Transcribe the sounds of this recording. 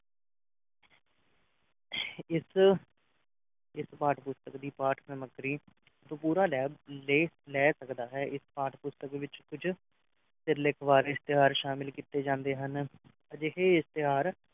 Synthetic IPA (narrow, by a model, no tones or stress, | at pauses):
ɪs | ɪspaːʈpʊst̪əkd̪iːpaːʈʰsəməɡɾiː | t̪õːpuːɾaːlɛːleː | lɛːsəkd̪aːɦɛːʔɪspaːʈʰpʊst̪əkʋɪt͡ʃkʊd͡ʒʰ | sɪɾlɪkʰʋaːɾɪst̪ɪɦaːɾʃaːmɪlkiːt̪eːd͡ʒãːnd̪eːɦən | əd͡ʒɪɦeːɪst̪ɪɦaːɾ